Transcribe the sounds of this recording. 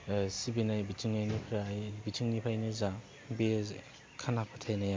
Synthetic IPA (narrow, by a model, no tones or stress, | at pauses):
sibinajbitʰiŋnajnipʰɾajbitʰiŋnipʰajniza | bez | kʰanakpʰatʰajnaja